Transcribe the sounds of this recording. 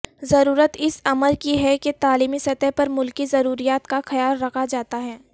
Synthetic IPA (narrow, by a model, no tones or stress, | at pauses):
zɐɾuːɾət̪ɪsɐməɾkiɦɛket̪aːliːmisɐt̪ɛɦpɐɾmʊlkizɐɾuːɾijaːt̪kaxɐjaːlɾɐkʰad͡ʒaːt̪aɦɛː